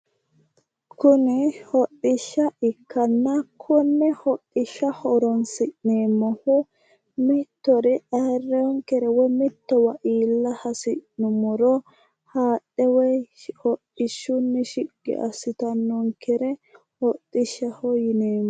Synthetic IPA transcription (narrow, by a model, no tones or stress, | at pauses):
kʊnɪhɔɗːɪʃːɐʔɪkʰːɐnːɐkʰɔnːɛhɔɗːɪʃːɐhɔɾɔnsɪʔneːmːɔhɔ | mɪt̪ːɔɾɛʔɐrːɛɔŋkɛɾɛwɔjmɪt̪ːɔwɐʔiːlːɐhɐsɪʔnʊmːɔɾɔ | haːɗːɛwɔjhɔɗːɪʃːʊnːɛʃɪɡ̥ːɛ̰ʔɐ̰sɪt̪ɐnːɔŋkɛɾɛ | hɔɗʼːɪʃːɐhɔjɪneːmːɔ